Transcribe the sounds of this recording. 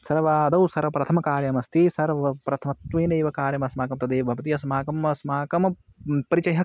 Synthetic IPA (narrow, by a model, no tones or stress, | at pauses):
sɐɾʋaːd̪ɐwsɐɾʋɐpɾɐt̪ʰɐmɐkaːɾjɐmɐst̪ʰisɐɾʋɐpɾɐt̪ʰɐmɐt̪ʋiːneːʋɐkaːɾjɐmɐsmaːkɐmt̪ɐd̪eːbʱɐʋɐt̪ijɐsmaːkɐmɐsmaːkɐm | pɐɾit͡ʃɐɦɐ